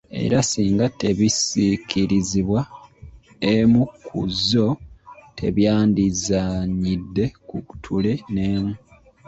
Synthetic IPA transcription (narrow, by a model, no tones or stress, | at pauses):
e̞̰ɾasiːŋɡate̞βisikʰiɾiziβwa | emukʰːuzo̞tʰe̞βjaːndizaɲidːe̞kuku̥tʰule̞neːmu